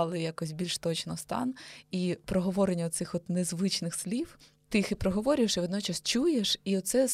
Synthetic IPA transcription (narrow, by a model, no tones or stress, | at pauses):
ɑlˠɪjakɔsʲbʲilʲʃt̪ɔt͡ʃnɔst̪ɑ̰nipɾɔɦɔʋɔɾenʲːɐɔt̪sɪxɔt̪nezʋɪt͡ʃnɪxslʲiw | t̪ɪixipɾɔɦɔʋɔɾʲʊjeʃiʋɔd̪nɔt͡ʃɐst͡ʃujeʃiɔt̪sɛ